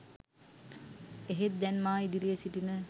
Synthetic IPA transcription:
eɦet̪̚d̪ɛnmaːid̪iɾijəsiʈinə

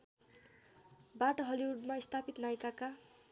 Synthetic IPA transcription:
baʈoɦʌliuɖmaist̪ʰapit̪najkaka

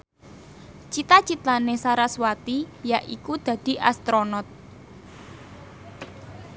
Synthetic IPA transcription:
t͡ʃit̪at͡ʃit̪lanesaɾaswat̪ijaʔikud̪̥ä̤d̪̥i̤ʔa̰st̪ɾonɔt̪̚

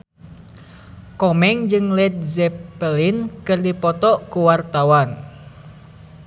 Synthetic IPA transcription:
kɔmɛŋd͡ʒɨŋlɛt̪̚zɛpəlinkɨrdipɔt̪ɔkuwart̪awan

